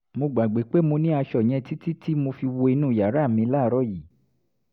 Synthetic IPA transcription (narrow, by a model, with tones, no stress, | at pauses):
mo˧ɡ͡ba˨ɡ͡be˨˦k͡pe˦mõ˧nĩ˦a˧ʃɔ˨j̃ɛ̃˧ti˦ti˦ti˦mo˧fi˧wo˧i˧nũː˦˨ja˨˦ɾa˨˦˨mĩ˧˦la˦˨˦ɾɔ˦˨ji˨